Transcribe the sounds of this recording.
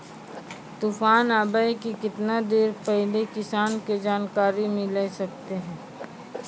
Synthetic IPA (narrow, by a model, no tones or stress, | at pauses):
t̪uːfaːnaːbaːikikɪt̪nad̪eːɾpɛɦlekɪsaːnked͡ʒaːnkaːɾimẽleːsɐk̚t̪eɦɛ̃ː